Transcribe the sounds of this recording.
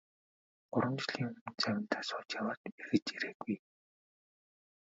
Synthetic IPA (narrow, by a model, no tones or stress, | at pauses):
ɢʊɾwə̆mt͡ɕɮiːŋɵmɘ̆nt͡sæwʲɪ̆n̥t̪ʰaːsʊːt͡ɕjawaːrt̪erɣɘ̆t͡ɕiɾeːɡuj